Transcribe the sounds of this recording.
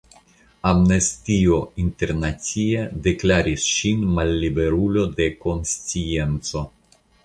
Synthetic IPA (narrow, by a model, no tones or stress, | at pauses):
amnestiointe̞ɾnat͡siede̞klaɾisʃinmalːibe̞ɾulo̞de̞ko̞nst͡sie̞nt͡so̞